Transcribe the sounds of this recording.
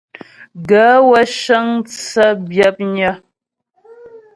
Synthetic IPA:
ɡa˨˦wə˦ʃə˦ŋt͡sə˦bjə˦p̚ɲə˦

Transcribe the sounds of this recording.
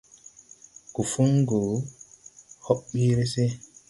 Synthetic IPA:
ku˨fu˦ŋɡo˨ | hɔ˦ɓɓi˦ɾe˦se˦

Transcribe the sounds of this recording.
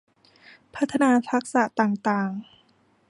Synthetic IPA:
pʰa˦˥t̪ʰːa˧naː˧t̪ʰa˦˥k̚sa˨˩t̪aː˨˩ŋt̪aː˨˩ŋ

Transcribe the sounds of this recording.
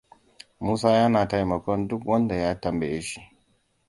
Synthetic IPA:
muː˦s̬aː˦jɐ˦naː˨ta˦jmɐ˨kʷɔ˦ndʊ˦kwɐ˦nda˨jaː˦tɐ˨mbe˨je˦ʃi̥˦ʔ

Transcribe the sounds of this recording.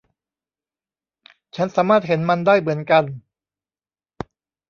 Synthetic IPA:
t͡ɕʰa˦˥nsaː˩˦maː˥˩t̪̚ɦe˩˦nma˧ndaː˥˩jmɯ˩˦ənka˧n

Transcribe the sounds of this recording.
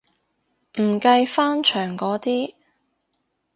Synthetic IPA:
m̩˨˩kɐ˧jfaː˥nt͡ʃʰœː˨˩ŋkɔː˨˥t̪iː˥

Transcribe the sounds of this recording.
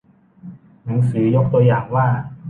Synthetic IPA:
na˩˦ŋsɯː˩˦jo˦˥k̚t̪u˧ɐəjaː˨˩ŋwaː˥˩

